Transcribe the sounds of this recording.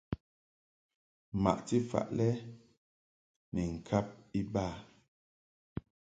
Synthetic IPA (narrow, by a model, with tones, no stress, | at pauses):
ma̰˨ʔti˦fa̰˨ʔlɛ˦ | nɛ˨ŋ̩˨kʰa˦p̚i˦baː˦˨